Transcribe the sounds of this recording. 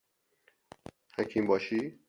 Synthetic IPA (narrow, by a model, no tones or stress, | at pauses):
hækʰimbɒːʃi